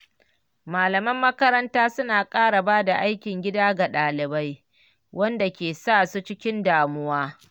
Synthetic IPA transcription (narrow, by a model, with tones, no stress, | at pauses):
maː˨lɐ˨mɐ˦mːɐ˦kɐ˦ɾɐ˦ntaː˦sʊ˦naː˨kʼaː˦ɽa˨baː˦da˨ʔa˦jkʲɪ˨ŋɡʲɪ˦daː˦ɡa˨ɗaː˨lɪ˨ba˦j | wʔɐ˦nda˨kʲeː˨saː˦˨su˦t͡ʃɪ˦kʲɪ˦ndaː˨mʊ˦waː˦